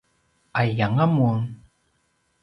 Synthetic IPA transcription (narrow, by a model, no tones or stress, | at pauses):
ajaŋamun